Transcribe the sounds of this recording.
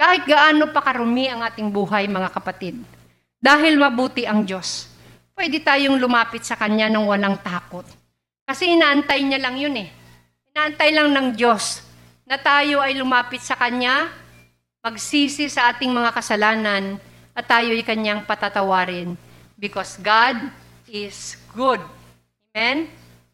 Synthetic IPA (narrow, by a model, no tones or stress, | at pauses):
kaːhɪt̪̚ɡɐʔaːno̞pɐkɐɾʊmɪʔɐŋʔaːt̪ɪŋbuːɦajmɐŋakɐpɐt̪ɪd̪̚ | d̪aːɦɪlmɐbuːt̪ɪʔɐŋd͡ʒo̞s | pwɛd̪ɪt̪aːjoŋlʊmaːpɪt̪̚sɐkɐɲanɐŋwɐlaŋt̪aːko̞t̪̚ | kɐsɛʔɪnaːʔɐnt̪ajɲalɐŋjonɛ | ʔɪnaːʔɐnt̪ajlɐŋnɐŋd͡ʒo̞s | nɐt̪aːjo̞ʔɐjlʊmaːpɪt̪̚sɐkɐɲːa | mɐɡsiːsɪsɐʔaːt̪ɪŋmɐŋakɐsɐlaːnɐn | ʔɐt̪aːjoʔɐjkɐɲaŋpɐt̪at̪ɐwaːɾɪn | bɪkosɡad̪̚ | ɪsɡ̥ʊd̪̚ | mɛn